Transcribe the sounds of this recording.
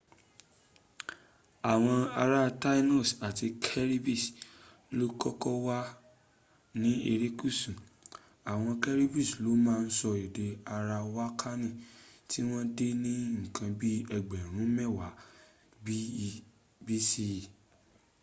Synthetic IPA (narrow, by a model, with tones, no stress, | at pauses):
a˨w̃ɔ̃˧a˧ɾa˦ta˦i˦nɔ˦˨sa˨ti˧kʰɛ˦ɾi˦bi˦˨s | lo˦kɔ˦kɔ˦wa˦ | nĩ˦e˧ɾi˦ku˦˨sũ˨ | a˨w̃ɔ̃˧kɛ˦ɾi˦bi˦˨slo˦mãː˦˧n̩˦sɔ˧i˨de˧a˧ɾa˧wa˦kʰa˦nĩ˦˨ti˦w̃ɔ̃˦de˦nĩ˦ŋ̩̃˨kʰã˧bi˦ɛ˧ɡ͡bɛ˨ɾ̃ũ˨˦mɛ˦˨wa˨˦ | bi˦˧ | bi˦si˧˦˨